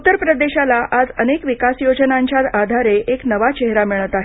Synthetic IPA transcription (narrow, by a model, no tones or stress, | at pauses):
ut̪ːəɾpɾəd̪eɕalaʔad͡zənekʋikasjod͡ʑənaɲt͡ɕjat̪ad̪ʱaɾeeknəʋat͡ɕeɦɾamiɭət̪aɦe